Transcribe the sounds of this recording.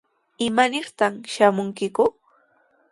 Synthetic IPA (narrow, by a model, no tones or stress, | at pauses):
ɪmanɪɾt̪amʃamʊŋkɪkʊ